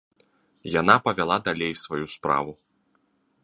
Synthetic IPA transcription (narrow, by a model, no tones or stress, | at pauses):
janapɐvʲalˠad̪alʲejsvajuspɾa̰vu